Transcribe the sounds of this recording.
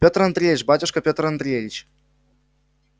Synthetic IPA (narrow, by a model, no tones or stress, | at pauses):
pʲot̪rɐnd̪ɾʲeɪt͡ɕbatʲʊʂkəpʲot̪rɐnd̪ɾʲevʲɪt͡ɕ